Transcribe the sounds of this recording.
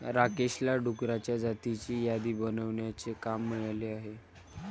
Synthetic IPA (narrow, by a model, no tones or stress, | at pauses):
ɾakeɕlaɖʱukɾat͡ɕjad͡zat̪it͡ɕiːjad̪iːbənəʋɳjat͡sekamːəɭaleaɦe